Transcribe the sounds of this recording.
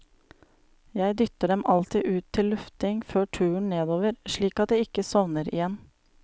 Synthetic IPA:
jæɪd̪ʏt̪əɖɛmɑlt̪iʔʉːt̪ʰːɪllʉft̪ɪŋføːʈʰʉːəɳneːd̪oːʋəɾʃɭiːkɑt̪̚d̪eːɪkəsɔʋnəɾɪ̰jɛn

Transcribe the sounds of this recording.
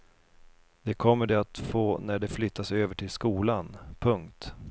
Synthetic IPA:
d̪̥ɛkʰɔmːəɖɛat̪foːnæɖɛflʏt̪ʰːasøːvəʈʰɪlskuːlanpʰɵŋk̚t̪

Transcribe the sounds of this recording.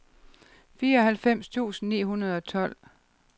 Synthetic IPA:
fiːɐɒ̽ɦælfem̰st͡sʰṵːsn̩nḭːɦunɐð̞ˠɒ̽t͡sʰɒ̽l̰

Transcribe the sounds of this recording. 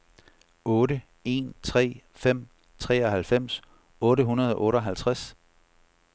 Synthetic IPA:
ɔ̽ːɾə | e̝̰nt͡sʰʁɛ̰ːfem̰ | t͡sʰʁɛ̰ːɒɦælfem̰s | ɔ̽ːɾəɦunɐð̞ˠɒ̽ʔɔ̽ːɾəɒ̽ɦælt͡sʰʁas

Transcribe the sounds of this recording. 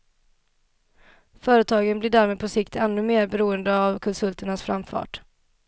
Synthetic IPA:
fœːɾət̪ʰɑːɡənblɪɖæːɾmeːd̪pʰɔsɪkt̪ɛnːɵmeːɾbɛɾuːənd̪əavkʰɔnsɵlt̪əɳasfɾa̰mfɑ̰ːʈ

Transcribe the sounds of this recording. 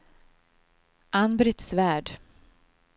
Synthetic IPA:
ʔanbɾɪt̪svæːɖ

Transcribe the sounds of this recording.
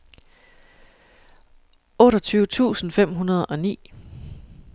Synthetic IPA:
ʔɔ̽ːɾɐt͡sʰyːʊət͡sʰṵːsn̩fem̰ɦunɐð̞̩ˠɒ̽nḭː

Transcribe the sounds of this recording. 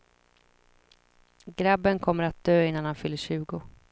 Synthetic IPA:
ɡɾabːənkʰɔmːəɾat̪̚d̪̥øːɪnːanhanfʏlːəɕʉ̟ːɡʊ

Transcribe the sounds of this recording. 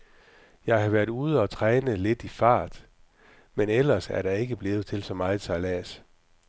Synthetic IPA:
jɑ̈ɪɦɑ̈ʋæɐ̰d̥uːð̞ˠɒ̽t͡sʰʁɛːnəle̝d̥ifɑ̰̈ːd̥ | menel̰ɐsæɐɾ̥ɑ̈e̝ɡ̥əb̥le̝ːð̩ˠt͡sʰe̝lsɒ̽mɑ̈ɪsʰɑlɛːs

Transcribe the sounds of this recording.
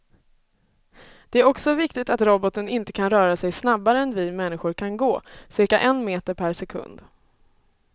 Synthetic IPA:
d̪̥ɛæɾɔksɔvɪkt̪ɪɡt̪at̪ɾɔbɔt̪ənɪnt̪ə̥kʰanɾœːɾasɛjsnabːaɾəɛnvɪmɛnːɪɧʊɾkʰanɡoːsɪɾkaʔɛnmeːt̪əɾpʰæɾsɛkʰɵ̰nd̪

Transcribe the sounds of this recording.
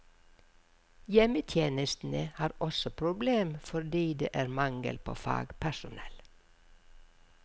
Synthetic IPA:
jɛmət̪ʰjeːnəst̪n̩əhɑːɾɔsɔpʰɾʊbleːmfɔd̪iːd̪ḛːʔæːɾmɑŋə̰lpʰo̰ːfɑ̰ːɡpʰæʃʊnɛ̰l

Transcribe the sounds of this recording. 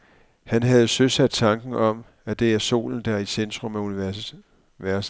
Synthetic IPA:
hænɦæð̞̩ˠsøsæd̥̚t͡sʰɑ̈ŋɡ̥n̩ɒ̽m | æd̥e̝æɐso̝̰ːln̩d̥æisend̥ʁɔ̽mæuni | ʋæɐs

